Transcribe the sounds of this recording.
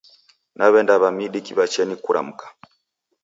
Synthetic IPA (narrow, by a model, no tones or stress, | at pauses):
naβɛndaβamiɗikiβat͡ʃɛnikuɾa̰m̩kḁ